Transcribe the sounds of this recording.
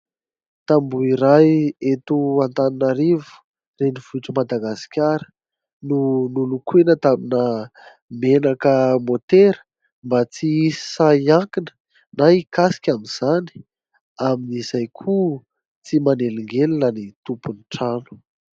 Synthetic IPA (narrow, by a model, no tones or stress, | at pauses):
t̪ambuiɾajet̪uant̪aninaɾivu̥ | reniv̥uʈ͡ʂumad̪aɡasi̥kʲaɾə̥ | nunulukwenət̪aminə | menakəmot̪eɾə̥ | mbat͡siisi̥sajaŋkinə̥ | naikasi̥kʲaminz̥ani̥ | aminizajkʰu | t͡simaneliŋɡelinənit̪upunʈ͡ʂanu̥